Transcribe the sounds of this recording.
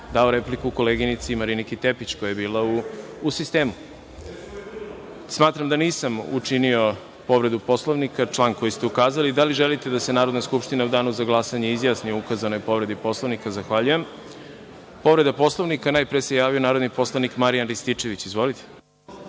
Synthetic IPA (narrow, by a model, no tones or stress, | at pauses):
d̪ao̞ɾe̞plikuːko̞leɡinit̪simaɾinikit̪e̞pit͡ɕko̞jajebiːlauː | sist̪e̞ːmu | smaːt̪ɾamd̪aniːsamṵt͡ʂinio̞ | po̞ʋɾe̞d̪upo̞slˠoʋnikat͡ʂlˠaːnko̞jist̪e̞ukaːzalid̪aliʒelit̪e̞d̪ase̞naːɾod̪naskupʃt̪inaud̪aːnuzaɡlˠasaɲeizjaːsnioukazano̞jpo̞ʋɾe̞d̪ipo̞slˠoʋnikazaxʋaʎuje̞m | po̞ʋɾe̞d̪apo̞slˠoʋnikanaːjpɾeese̞jaːʋio̞naːɾo̞d̪nipo̞slˠanikmaɾijanɾist̪it͡ʃe̞ʋit͡ɕizʋo̞lit̪ʰe̥